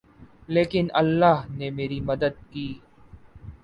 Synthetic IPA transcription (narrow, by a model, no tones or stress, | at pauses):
leːkɪnɐlːaːɦnemeːɾimɐd̪əd̪̚kiː